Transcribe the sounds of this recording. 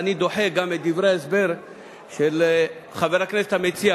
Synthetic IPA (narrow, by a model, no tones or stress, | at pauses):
nid̪o̞ħeɡamed̪ivʁejaesbeʁ | ʃel | χaveʁakneset̪hamet͡sia